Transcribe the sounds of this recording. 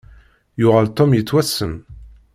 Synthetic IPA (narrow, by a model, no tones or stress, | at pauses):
jʊʁəlt̪ˤːomjət͡sːwæsːəm